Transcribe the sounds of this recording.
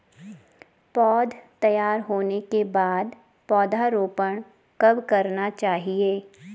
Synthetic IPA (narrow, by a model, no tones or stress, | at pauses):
pɔːd̪ʱt̪ɐjaːɾɦoːnekebaːd̪ | pɔːd̪ʱaɾoːpəɳ̃ | kɐbkɐɾnat͡ʃaːɦieː